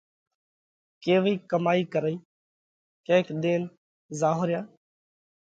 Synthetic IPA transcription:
keːʋiːkəmaːiːkəɾəiː | kẽːkɗ̪eːn | zaːɦʊɾjaː

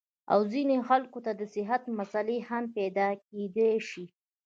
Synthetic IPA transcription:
a̰wzinexalkot̪ad̪əsɪɦat̪masalehampɛd̪ɑk̚ed̪eʃi

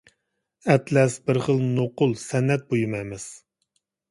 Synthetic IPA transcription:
ɛt̪ʰlɛsbɪɾχəlˠnoqʊlˠsɛnːɛt̪̚bojumɛjmɪz̥

